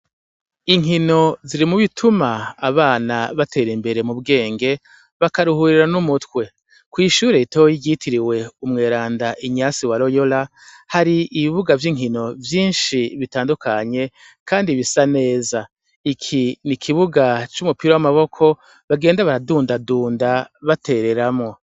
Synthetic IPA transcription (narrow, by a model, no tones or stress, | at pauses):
iŋino̞ziɾimuβitʰumaːβaːnaβatʰe̞ːɾimbe̞ɾe̞mubɡe̞ːŋɡe̞ | βakaɾuhuːɾiɾanumutkwe̞ | kwiːʃuːɾeitojiɟitʰiɾiwe̞umŋe̞ːɾaːndaʔiɲaːsiwaɾojo̞la | haɾiiβiβuɡavjiŋ̥hino̞vjiːnʃiβitaːndukʰaɲe̞ | kʰaːndiβisane̞ːza | ikʰinikʰiβuɡat͡ʃumupiɾo̞wamaβo̞kʰo̞ | βaɡe̞ːndaβaɾaduːndaduːndaβate̞ːɾe̞ɾamŋo̞